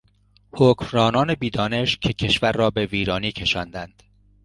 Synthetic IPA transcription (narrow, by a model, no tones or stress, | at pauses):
hocmɾɒːnɒːne̞biːd̪ɒːne̞ʃcʰecʰe̞ʃvæɾːɒːbe̞viːɾɒːniːcʰe̞ʃɒːnd̪ænd̪̥